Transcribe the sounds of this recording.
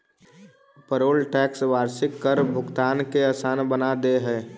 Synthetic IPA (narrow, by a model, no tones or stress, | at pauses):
pəɾoːlʈɛːksʋaːɾsɪkːəɾbʱʊɡt̪aːnkeaːsaːnbənad̪eɦɛ̃ː